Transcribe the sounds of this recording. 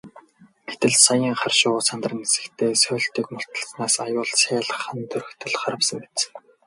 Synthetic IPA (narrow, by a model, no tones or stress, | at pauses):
e̥t̪ɘ̆ɮsajiːŋχarʃʊːt͡sʰant̪rə̆nesɘ̆kt̪ʰeːsœːɮt̪iːkmʊ̥t̪ə̥̆ɮsnaːsajʊːɮsʰæːɮə̆χə̆nt̪ʰɵɾɵ̆xt̪ʰɵ̆ɮχaɾə̆wsə̆ŋpe̥t͡s